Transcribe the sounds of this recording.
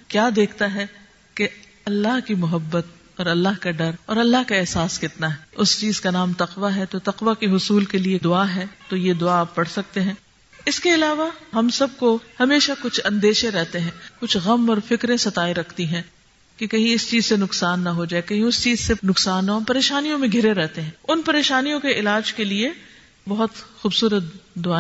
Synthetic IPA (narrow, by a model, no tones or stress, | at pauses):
kjaːd̪eːkʰt̪aɦɛ | ke | ɐlːaɦkimʊɦəbːət̪̚ | ɔːɾɐlːaɦkaɖɐɾɔːɾɐlːaɦkaɛɦsaːskɪt̪naɦɛʊst͡ʃiːzkanaːmt̪ɐqʋaɦɛt̪ot̪ɐqʋakeɦʊsuːlkelied̪ʊaːɦɛt̪ojed̪ʊaːpːɐɽsɐk̚t̪eɦɛ̃ː | ɪskeɐlaːʋaɦɐmsɐb̚kohɐmeːʃakʊt͡ʃʰɐ̃nd̪eːʃeɾɛɦt̪eɦɛ̃ːkʊt͡ʃʰɣɐmɔːɾfɪkɾẽsɐt̪aːeɾɐkʰt̪iɦɛ̃ː | kekɐɦĩɪst͡ʃiːzsenʊqsaːnːɐɦod͡ʒaːekɐɦĩʊst͡ʃiːzsenʊqsaːnːɐɦɐmpɐɾeːʃaːnijõmẽɡʱɪɾeɾɛɦt̪eɦɛ̃ʊnpɐɾeːʃaːnijõkeɪlaːd͡ʒkelie | bɐɦʊt̪xuːbsuːɾət̪̚d̪ʊaː